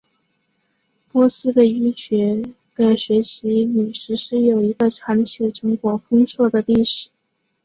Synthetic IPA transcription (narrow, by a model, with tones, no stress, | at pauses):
pwɔ˥sɹ̩˥d̪ə˧i˥t͡ɕɥɛ˧˥ | d̪̥ə˧ɕɥɛ˧˥ɕi˧˥ly˨˩ʂɻ̩˧˥ʂɻ̩˥˩jo˨˩ʊi˧˥ɡə˧ʈ͡ʂʰa˧˥ŋt͡ɕʰjɛ˧˩ʈ͡ʂɤ˧˥ŋkwɔ˧˥fɤ˥ŋsʰwɔ˥˩d̪ə˩li˥˩ʂɻ̩˨˩˦